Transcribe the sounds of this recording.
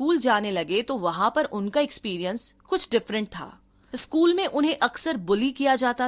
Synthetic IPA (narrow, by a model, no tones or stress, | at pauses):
uːld͡ʒaːnelɐɡet̪oʋɐɦãpɐɾʔʊnkaɛkspiːɾijə̃nskʊt͡ʃʰɖɪfɾə̃ɳʈ̚t̪ʰa̰ː | skuːlmẽʔʊnɦẽʔɐksəɾbʊlikijad͡ʒaːt̪a